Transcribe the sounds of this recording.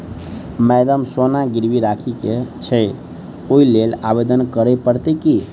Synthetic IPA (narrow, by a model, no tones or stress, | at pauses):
mɛd̪əmsonaɡiɾbiɾakʰiket͡ʃʰɛ | oilelabed̪ənkəɾɛpəɾt̪ɛki